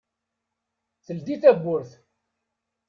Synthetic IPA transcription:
θəld̪iθæbʷːʊɾθ

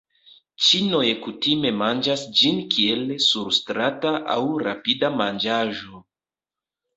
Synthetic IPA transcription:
t͡ʃino̞jekutime̞mand͡ʒasd͡ʒinkʰie̞lsuɾstɾataʔa̰wɾa̰pidamand͡ʒaʒo̞

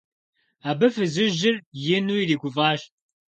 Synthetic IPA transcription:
aːbɨfɨzɨʒɪrjɪnuːiriːɡʷʊvaːʃ

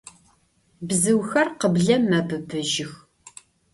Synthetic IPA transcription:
bzɨwxɐrqəbɮɐmɐbɨbɨʒɪx

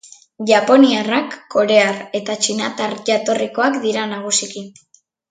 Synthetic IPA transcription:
ʝapo̞niarakːo̞ɾe̞aɾe̞t̪at͡ʃinat̪aɾʝat̪o̞riko̞akd̪iɾanaɣ̞usikin

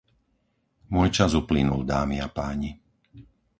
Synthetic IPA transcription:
mʊɔjt͡ʃazuplinuld̪aːmiapaːɲi

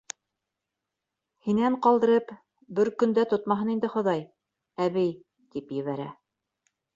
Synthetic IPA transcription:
hinæɴqɑlˠd̪ɤ̆ɾɤp | bɘɾkɵ̆nd̪æt̪ot̪mɑɦɤnind̪ɘχŏðɑj | æβɘj | t̪ipjɘ̆βæɾæ̰

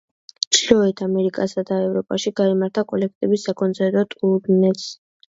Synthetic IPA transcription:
t͡ʃʰlɔɛt̪ʰamɛɾikʼasad̪aɛvɾɔpʼaʃiɡ̥aimaɾt̪ʰakʼɔlɛk̚ʰt̪ʼɛbisːakʼɔnt̪sʰɛɾt̪ʼɔt̪ʼud̪nɛt̪s

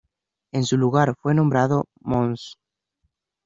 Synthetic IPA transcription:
e̞nsuluɣaɾfwe̞nombɾaðo | mõns

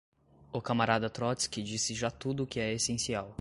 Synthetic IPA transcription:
ʊkamaɾad̪ɐt̪ɾɔt̪skɪd͡ʒisɪʒat̪ud̪ʊkɪɛesẽsiaw

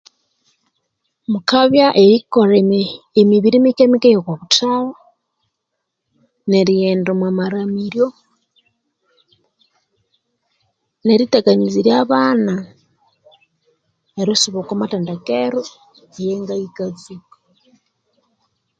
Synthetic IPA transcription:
mukaβjaʔeɾikoɾe | emiβiɾimikemikejokwaβutawo | neɾieːndomwamaɾamiɾjo | neɾiteɡaɲiziɾjaβaːna | eɾisuβokamateːndakeɾo | ejeŋɡajikazikḁ

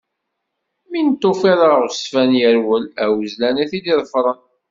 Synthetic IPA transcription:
mint̪ːofiɾˤəʁsfænjəɾwəlæwzlænæθid̪iðˤəfɾˤən

